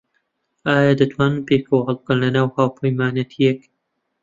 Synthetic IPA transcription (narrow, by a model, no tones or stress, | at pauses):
aːjad̪ɐt̪ʰwaːnɨnpeːkʰowɦalˠb̚kənlɐnaːwhaːwpʰɐjmaːnɐt̪ʰijek